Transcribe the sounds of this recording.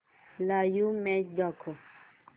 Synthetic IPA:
lajumɛd͡ʒɔkʰo

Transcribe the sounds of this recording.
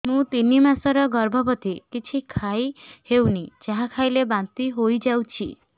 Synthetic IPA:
mũt̪inimasɔɾɔɡɔɾbʱɔbɔt̪ikit͡ʃʰikʰajhewnid͡ʒaɦakʰajlebant̪iɦojd͡ʒawt͡ʃʰḭ

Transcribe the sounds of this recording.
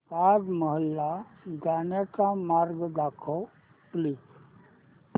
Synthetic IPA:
paːd̪məɦəlːaɡanaʈamaɾɡd̪aːkʰo | pliː

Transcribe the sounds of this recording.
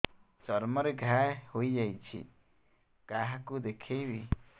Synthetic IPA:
sɔɾməɾɛɡʱahujd͡ʒajt͡ʃʰḭ | kaɦakud̪ɛkʰejbi

